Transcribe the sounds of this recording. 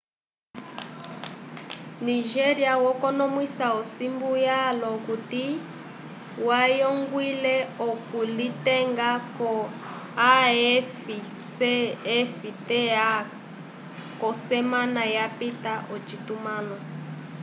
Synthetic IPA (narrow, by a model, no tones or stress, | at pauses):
niʒɛɾiawɔkɔnɔmwisaɔsimbujalɔkuti | wajɔŋɡwilɛɔkulitɛŋɡaɔ | afi | ɛfitɛa | kɔsɛmanajapitaʔɔt͡ʃitumanɔ